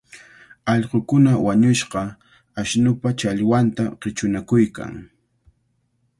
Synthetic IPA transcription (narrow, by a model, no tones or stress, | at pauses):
ɑʎqokʊnawaɲʊʃqɑ | aʃnʊpat͡ʃaʎwant̪aqɪt͡ʃʊnakʊjka̰ŋ